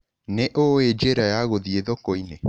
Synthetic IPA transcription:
neʔoed͡ʒeɾajaɣoðieðokoine

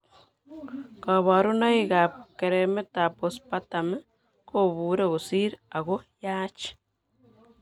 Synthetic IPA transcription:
kaβaɾunaiɣapkeɾemetapospatame | koβuːɾeɣosiɾaɣojaːt͡ʃi̥

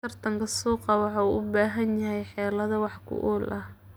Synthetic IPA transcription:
ɐrt̪ʰɐŋkʰɐsuːqɑwɑħɑuːʔʊbaːɦɐnjɐɦɛjħɛːlɐðɐwɑħkʰʊ̰ʔuːlʔɐh

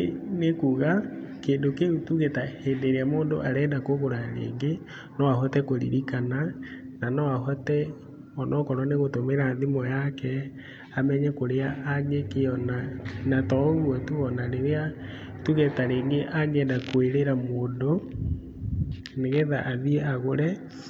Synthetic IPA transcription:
nekuɣakeːndokeutuɣetahendeɾeamoːndo̰ʔaɾɛːndakoɣoɾaɾḛːŋɡe | nɔahɔtɛkoɾḭɾikanananɔaɦɔtɛ | ɔnɔkɔɾɔneɣotomeɾaðimɔjakɛ | amɛɲɛkoɾeaʔaŋɡekeɔnanatɔɣwɔtuɣɔnaneɾea | tuɣɛtaɾeːŋɡeʔaŋɛndakweɾeɾamoːndo | neɣɛðaʔaðiɛaɣoɾɛ

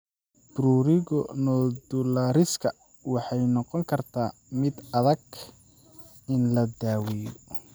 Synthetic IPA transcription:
b̥ɾuːɾɪɣɔnɔd̪ʊlaːɾɪskʰɐ | wɑħɑjnɔqɔŋkʰɐrt̪ʰaːmɪd̪ɐðɐɡ | ɪnlɐd̪aːwɛjɔ

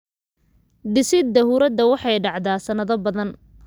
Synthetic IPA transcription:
d̪ɪsɪd̪ɐhuːɾɐd̪ɐwɑħɑjɖɑʕd̪aːsɐnɐðɐbɐðɐn

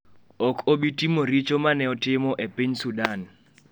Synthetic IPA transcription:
ɔkʰoɓitʼimoɾit͡ʃʼɔmanɛɔtɪmɔʔepʼiɲsudan

